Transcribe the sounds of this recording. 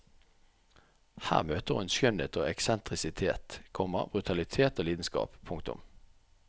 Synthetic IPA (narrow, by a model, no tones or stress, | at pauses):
hæ̰ːʁmøːt̪əʁʊnsʏnḛːt̪ʰoːɛksɛnt̪ʁɪsɪt̪ʰeːt̪kʰɔmə̰ʁbʁʉt̪ʰɑlɪt̪ʰeːt̪oːliːd̪n̩skɑ̰ːppʰːʊŋkt̪ʊ̰m